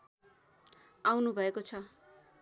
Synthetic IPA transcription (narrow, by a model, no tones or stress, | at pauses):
awnubʱʌekot͡sʰʌ